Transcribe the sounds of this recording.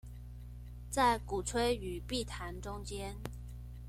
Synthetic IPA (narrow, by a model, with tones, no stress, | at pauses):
t͡sa˥˩ɪku˨˩ʈ͡ʂʰwe˥ɪy˨˩pi˥˩t̪ʰa˧˥nʈ͡ʂʊ˥ŋt͡ɕjɛ˥n